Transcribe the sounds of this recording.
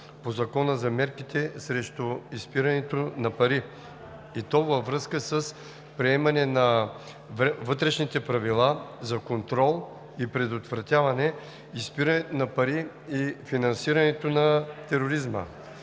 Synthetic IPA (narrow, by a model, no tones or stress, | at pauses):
pozɐkɔnəzɐmɛɾkit̪ɛsɾɛʃt̪uispiɾɐnɛt̪onɐpɐɾi | it̪ɔvəvɾɤskəsəs | pɾiɛmɐnɛnɐ | vɤt̪ɾɛʃnit̪ɛpɾɐvilˠazɐkont̪ɾɔlˠ | ipɾɛd̪ot̪vɾɐt̪ʲjavɐnɛ | ispiɾɐnɛnɐpɐɾi | ifinɐnsiɾɐnɛt̪onɐt̪ɛɾoɾizmə̰